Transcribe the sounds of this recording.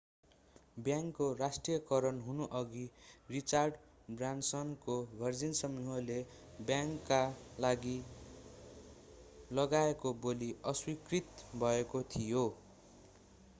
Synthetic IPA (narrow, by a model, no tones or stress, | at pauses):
bjaŋkːorasʈrijʌkʌɾʌnɦunuʔʌɡirit͡sarɖ | bransʌnkobʱʌrd͡zinsʌmuɦole | bjaŋkːalaɡi | lʌɡaekoboliʌswikrit̪bʱʌekot̪ʰijo